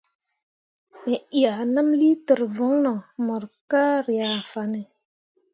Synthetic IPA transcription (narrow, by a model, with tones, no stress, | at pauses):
me˨i˨a˨nə˦mli˦tə˨ɾvɔ˦ŋnɔ˨mə˨ɾka˦ɾi˨ja˨fa˨ne˨